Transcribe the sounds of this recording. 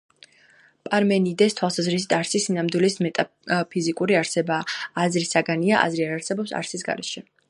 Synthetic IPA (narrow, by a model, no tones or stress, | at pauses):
pʼaɾmɛnid̪ɛst̪ʰwalˠsazɾis̬i̥t̪ʰaɾsisinamd̪wilismɛt̪ʼa | pʰizikʼuɾiaɾsɛbaːzɾisaɡaniaʔa̰zɾiaɾaɾsɛbɔpsa̰ɾsisɡa̰ɾɛ̰ʃɛ